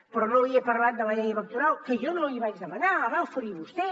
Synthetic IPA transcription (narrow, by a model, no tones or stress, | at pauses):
pɾɔnoiəpəɾlat̪̚d̪ələʎejəβək̚t̪uɾalˠkəʒonoloiβad͡ʒðəmənaəβawfəɾiβust̪ɛ